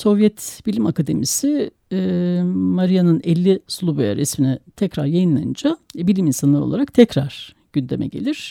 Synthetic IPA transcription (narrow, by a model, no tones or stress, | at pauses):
so̞vjɛt̪b̥ilʲimakʰad̪e̞misi | maɾijanɯnɛlʲːislˠubaja̰ɾɛsminɛt̪ʰɛcɾaɾjajɯnlˠa̰jɯ̰nd͡ʒabilʲiminsanlˠaɾo̞̰lˠaɾak̚t̪ʰɛcɾaɾ̥ | ɟ̥ynd̪e̞̰mɛ̰ɟe̞̰lʲiɾ̥